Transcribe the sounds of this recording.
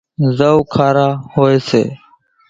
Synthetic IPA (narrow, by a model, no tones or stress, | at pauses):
zəukʰaːɾaːhoːeːsḛː